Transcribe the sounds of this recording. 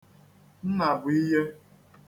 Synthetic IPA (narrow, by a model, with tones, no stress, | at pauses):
n̩˦na˨bʊ˨i˦ɦe˦